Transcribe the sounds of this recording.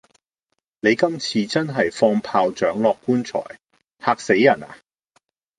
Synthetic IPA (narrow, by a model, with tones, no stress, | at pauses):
ne˨˧jkɐ˥mt͡sʰiː˧t͡sɐ˥nɦɐ˨jfɔː˧ŋpʰaː˧wt͡ʃœː˨˥ŋlɔː˨kːuː˥nt͡ʃʰɔ̰ː˨˩j | haː˧k̚se˨˥jːɐ˨˩na̰ː˨